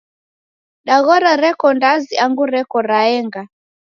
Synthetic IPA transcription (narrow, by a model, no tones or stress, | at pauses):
ɗaɣɔɾaɾɛkɔndaziaŋɡuɾɛkɔɾaɛŋɡa